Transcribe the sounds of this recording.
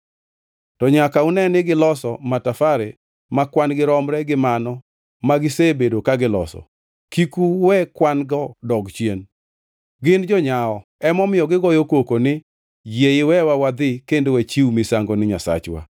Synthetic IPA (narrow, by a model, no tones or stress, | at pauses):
tɔɲakaunɛnɪɡɪlɔsɔmatafaɾe | makwanɡɪɾɔmɾɛɡɪmanɔ | maɡɪsebedokaɡɪlɔ̰sɔ̰ | kikuwɛkwanɡɔdɔɡt͡ʃjen | ɡɪnd͡ʒɔɲaɔɛmɔmɪjɔɡɪɡɔjokokonɪ | jejɪwɛwawad̪ɪkendowɛt͡ʃiwmɪsaŋɡonɪɲa̰sa̰t͡ʃwa̰